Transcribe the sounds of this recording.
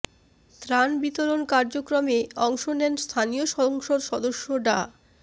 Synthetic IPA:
t̪ɾanbit̪oɾonkaɾd͡ʑokɾomeɔŋʃonɛnst̪ʰanijoʃɔoŋʃoɾʃɔd̪oʃːoɖa̰

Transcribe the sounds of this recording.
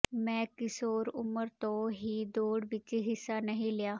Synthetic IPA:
mɛ̃ːkɪsoːɾʊməɾt̪õːɦiːd̪oːɽʋɪt͡ʃɦɪsːaːnəɦĩːlɪjaː

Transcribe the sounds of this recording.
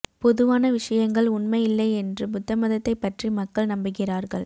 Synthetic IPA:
pɔðɯʋaːnɐʋɪʂɐjɐŋɡɐɭʊɳmɐɪjɪlːɐɪɛndrɯbʊt̪ːɐmɐðɐt̪ːɐɪpːɐʈrimɐkːɐɭnɐmbɪkɪraːɾɣɐɭ

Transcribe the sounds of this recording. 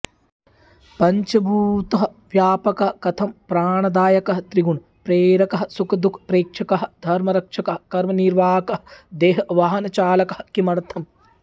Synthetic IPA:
pɐɲt͡ʃɐbʱuːt̪ɐɦɐ | ʋjaːpɐkɐɦɐkɐt̪ʰɐmpɾaːɳɐd̪aːjɐkɐɦɐt̪ɾiɡuɳ | pɾeːɾɐkɐɦɐsukɐd̪ukʰpɾeːkʂɐkɐɦɐd̪ʱɐɾmɐɾɐkʂɐkɐɦɐkɐɾmɐniɾʋaːkɐɦɐd̪eːɦɐʋaːɦɐnɐt͡ʃaːlɐkɐ̥hɐkimɐɾɐt̪ʰɐm

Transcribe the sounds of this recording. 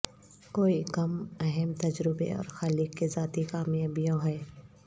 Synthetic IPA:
koːikɐmɛɦɛmt̪ɐd͡ʒɾɪbḛɔ̰ːɾxaːlɪkːezaːt̪ikaːmijaːbijõɦɛː

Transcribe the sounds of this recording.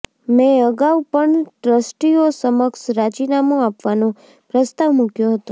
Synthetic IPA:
mɛ̃əɡaʋpəɳʈɾəsʈiosəməksɾad͡ʒinamoapʋanõ | pɾəst̪aʋmukjoɦət̪o

